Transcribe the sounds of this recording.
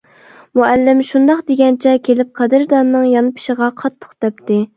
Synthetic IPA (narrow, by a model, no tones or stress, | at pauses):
muɛlːɪmʃund̪ɑχd̪eɡʲɛnt͡ʃʰɛkʲʰelɪp̚qʰɑd̪ɨɾd̪ɑnːɨŋjɑnɨpʰɪ̥ʃəʁɑqʰɑt̪ʰːə̥χd̪̥ɛp̚t̪ɪ